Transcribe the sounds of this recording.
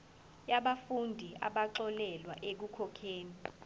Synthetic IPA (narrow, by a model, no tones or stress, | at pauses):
jaɓafundʱiʔaɓaǁɔlɛlwaʔek̬ukʰɔkʰeːni